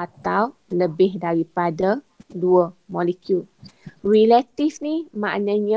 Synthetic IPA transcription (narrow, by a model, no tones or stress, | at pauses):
at̪awləbɪhdaɾipada | duəmɔlikjulrilat̪ifnima̰ʔnãɲã